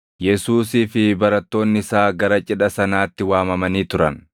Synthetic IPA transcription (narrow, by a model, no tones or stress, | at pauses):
jɛsuːsiːfɪbɐɾɐt̪ːo̞ːnːɪɪsaːɡɐɾɐt͡ʃʼɪᶑɐsɐnaːt̪ːɪwaːmɐmɐniːt̪ʊɾɐ̰n